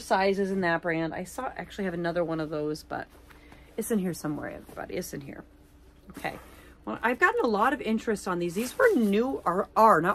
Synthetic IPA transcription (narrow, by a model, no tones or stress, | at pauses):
saɪzɨzɨ̃nðɨt̚b̥ɹæ̃nda̰ɪsɔʔæ̰k̚t͡ʃʉl̩ˠiɨvɨnʌðə˞wʌ̃ñʌvðoʊzb̥ʌ̰ɾ | ɨtsɨ̃nhiɹsʌ̃mwɛ̰ɹɛ̰vɹib̥ɑ̰ɾḭɨsɨ̃nhḭɹ | oʊkʰeɪ | wɛlˠʔa̰ɪvɡɑʔn̩əlɔɾʌvɪ̃nt͡ʃɹ̥ɨstsn̩ðizðizwə˞nuə˞ə˞nə